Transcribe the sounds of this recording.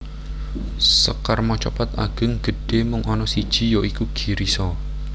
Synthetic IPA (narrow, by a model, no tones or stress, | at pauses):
səkarmɔt͡ʃɔ̰pat̪a̰ɡ̥ə̤ŋɡ̥ə̤ɖ̥e̤mʊŋʔɔnɔsid̥ʒ̥i̤jɔʔikuɡ̥i̤ɾisɔ